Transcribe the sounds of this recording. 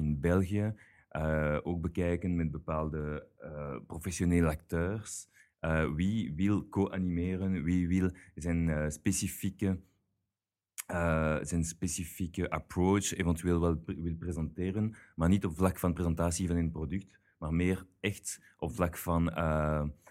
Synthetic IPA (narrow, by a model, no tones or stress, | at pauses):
ɪnbɛlˠɣijə | ʔəʔoːɡ̚bəkɛjkənmɛd̚bəpaːlˠdəəprofɛsjoneːləak̚tøːrs | əːwiwɪlˠkoʔanimeːɾənwiʋɪlˠzɛnspesifikə | əzɛnspesifikəʔaproːt͡ʃevɛntyeːlˠʋɛlˠwɪlˠprezɑnteːrənmaːrnitɔpflɑkfɑnprezɑntaːsivɑnənprodʏk̚t | maːrmeːrɛxt | ʔɔpflɑkfɑnə